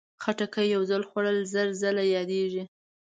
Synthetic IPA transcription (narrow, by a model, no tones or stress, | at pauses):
xaʈakajːawzalxwaɽəlzəɾzalajɑd̪eʒi